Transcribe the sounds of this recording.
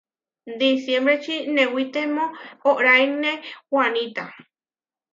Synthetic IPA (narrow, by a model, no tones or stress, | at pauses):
d̪isjembɾet͡ʃinẽwit̪emõoʔɾajnẽwanit̪a